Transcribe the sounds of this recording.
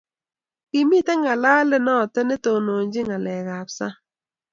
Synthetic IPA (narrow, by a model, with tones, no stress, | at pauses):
kɪ˨mi˦tɛ˦ŋa˨la˦lɪ˦nɔ˦˨tɛ˦nɛ˦to˨no˨ɲd͡ʒɪ˦ŋa˨lɛ˨ɣa˨psa˦